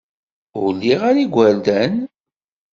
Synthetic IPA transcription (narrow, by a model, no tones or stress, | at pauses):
ʊlːiʁaɾiɡʷæld̪æn